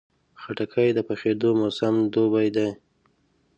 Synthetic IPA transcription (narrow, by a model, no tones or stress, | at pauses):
xaʈakʰajd̪əpaxed̪omosamd̪obajd̪aj